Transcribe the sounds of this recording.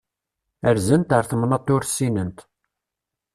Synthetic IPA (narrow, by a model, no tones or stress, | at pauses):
əɾzənt̪əɾθəmnɑt̪ˤːʊɾsːinənt̪